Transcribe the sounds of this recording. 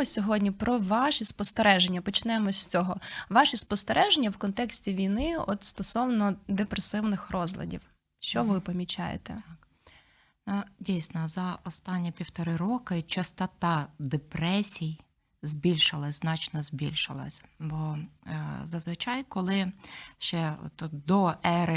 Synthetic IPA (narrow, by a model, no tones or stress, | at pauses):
ɔsʲɔɦɔdʲnʲipɾʔɔʋɑʃispɔst̪eɾɛʒenʲːɐpɔt͡ʃɪnɛmɔsʲt͡sʲɔɦɔʋɑʃispɔst̪eɾʔɛʒenʲːɐwkɔnt̪ɛksʲtʲiʋʲijnɪɔ̰t̪st̪ɔsɔwnɔd̪epɾesɪwnɪxrɔzlʲˠɐ̰dʲḭw | ʃt͡ʃɔʋɪpɔmʲit͡ʃa̰jḛt̪ɛ̰ | nudʲijsʲnɔzɐɔst̪ɑnʲːipʲiwt̪ɔɾɪɾɔkɪt͡ʃɐst̪ɔt̪ɑd̪epɾɛsʲij | zʲbʲilʲʃɪlˠɐznɑt͡ʃnɔzʲbʲḭlʲʃɪ̰lˠɐ̰sʲbɔ | zɐzʋɪt͡ʃɑjkɔlˠɪʃt͡ʃɛɔ̰t̪d̪ɔʔɛɾɪ